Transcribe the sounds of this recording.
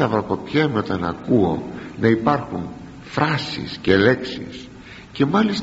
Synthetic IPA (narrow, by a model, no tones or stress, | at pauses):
ɐvɾoko̞pçemo̞t̪ɐnɐ̰kuo̞nɐipɐɾxun | fɾɐsḭsce̞le̞ksḭs | ce̞mɐlis